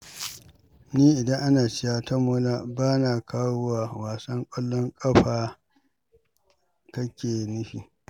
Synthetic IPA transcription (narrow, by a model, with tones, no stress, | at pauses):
niː˦ʔɪ˨dɐ˦ŋʔa˦naː˨t͡ʃɪ˦jaː˦tɐ˦mʊ˦laː˦baː˦naː˨kaː˦wʊ˦waː˨waː˨sɐ˦ŋkʷʼɔ˦lːɔ˦ŋkʼɐ˦ɸaː˨ | kɐ˦kʲeː˨nɪ˦ɸiː˨